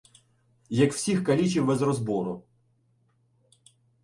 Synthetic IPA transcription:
jɐkw̥sʲixkɐlʲit͡ʃiwːɛzɾɔzbɔɾʊ

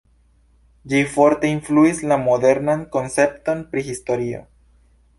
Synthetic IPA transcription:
d͡ʒifo̞ɾt̪e̞iɱfluislamoðe̞ɾnaŋko̞nse̞p̚t̪o̞npɾixist̪o̞ɾio̰

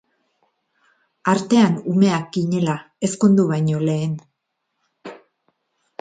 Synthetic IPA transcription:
aɾt̪e̞anume̞ak̚ɡiɲe̞la | esko̞nd̪uβajɲo̞le̞ːn

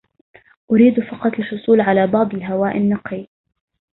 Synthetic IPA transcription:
ʔʊɾiːd̪fɑqɑt̪ˤɪlʃʊsˤuːlʕalaːbɑʕd̪ˤɪlɦawaːʔɪnːɑqi

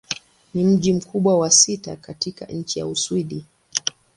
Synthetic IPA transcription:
nim̩ʄim̩kʰuɓwawasita̰katika̰ɲ̩t͡ʃija̰uswiɗi

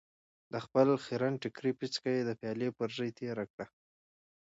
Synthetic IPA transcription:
d̪əxpəlxiɾanʈɪkɾipit͡skajed̪əfjɑlepəɾzəjt̪ʰeɾakɽa

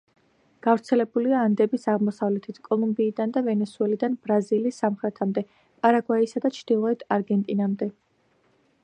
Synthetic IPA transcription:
ɡ̥avɾt̪sʰɛlɛbuliaːnd̪ɛbisaʁmɔsavlɛt̪ʰit̪ʰkʼɔlˠumbiːd̪and̪avɛnɛsuɛlid̪anb̥ɾazilisːamχɾɛt̪ʰamd̪ɛ | pʼaɾaɡwaisad̪at͡ʃʰd̪̥ilˠɔɛt̪ʰaɾɡɛnt̪ʼinamd̪ɛ

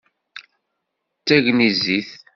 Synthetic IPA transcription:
t͡sːæʝniziθ

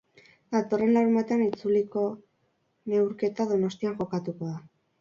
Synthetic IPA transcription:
d̪at̪o̞re̞nlawɾumbat̪eanit͡suliko̞ | ne̞wɾke̞t̪aðo̞no̞st̪iaŋʝo̞kat̪uko̞ða

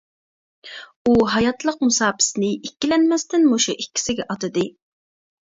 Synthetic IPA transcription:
uɦɑjɑt̪lˠəq̚musɑːpʰɪ̥snɪikʲːilɛnmɛst̪ɪnmoʃuʔikʲːi̥sɪɡʲɛʔɑt̪ɨd̪ɨ

